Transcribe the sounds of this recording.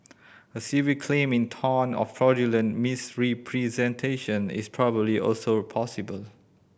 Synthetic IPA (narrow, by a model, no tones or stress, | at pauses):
əsivikʰlẽmɪ̃ntʰɔnɔ̰ffɹɔd͡ʒilə̃nmisɹipʰɹizɛ̃ntʰeʃə̃nɪ̰spʰɹɔbəbliʔɔ̰lsopʰɔsibəl